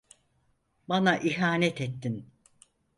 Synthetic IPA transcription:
banaʔiɦaːnɛt̪et̪ʰːin

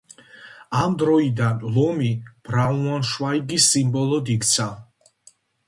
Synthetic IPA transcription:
amd̪ɾɔid̪anlˠɔmib̥ɾauanʃwaiɡisimbɔlˠɔd̪ikt̪sʰa

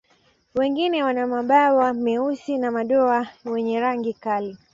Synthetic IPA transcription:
wɛŋɡinɛwanamaɓawamɛusinamaɗɔawɛɲɛɾaŋɡikali

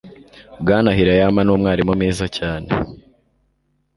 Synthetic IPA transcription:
bɡaːnaɦiɾajamanuːmŋaːɾimumiːzacaːnḛ

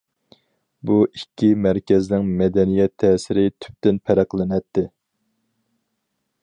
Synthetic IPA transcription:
buʔikʲʰːimæɾkʲɛznɪŋmɛd̪ɛnijɛt̪ʰːɛːsɪɾɪt̪ʰy̥p̚t̪ɪnpʰæɾæqlˠɪnɛt̪ʰːɪ

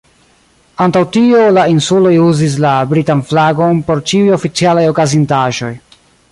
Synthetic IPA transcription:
antawtiolainsulo̞juzis̬labɾitanflaɡo̞npo̞ɾt͡ʃiujo̞fit͡sialajo̞kazintaʒo̞j

